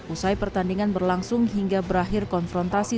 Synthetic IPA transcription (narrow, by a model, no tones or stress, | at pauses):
ʔusajpərt̪andiŋanbərlaŋsʊŋɦiŋɡabəɾaɦɪrkɔnfɾɔnt̪asi